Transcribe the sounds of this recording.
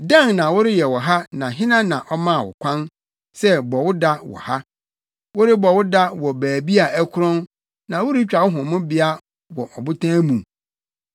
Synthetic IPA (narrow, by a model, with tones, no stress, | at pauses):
dã˦nnã˨wʊ˦ɾɪ˦jɛ˨wɔ˨ɦa˦nã˨ɦɪ̃˦nã˦nã˨ʔɔ˦mã˦˨wɔ̰˨kʷʰã˦n | sɛ˦bɔ˨wʊ˦da˦wɔ̰˨ha˦ | wʊ˦ɾɪ˦bɔ˨wʊ˦da˦wɔ˨bæː˨bi˦a˨ʔæ˦kʰʊ˦ɾɔ̃˦n | nã˨wʊ˦ɾɪ˦t͡ɕᶣa˨wʊ˦ɦʊ̃˨mʊ̃˦bɪ˦a˦ | wɔ˨ʔɔ˨bʊ˦tʰãː˦mũ˨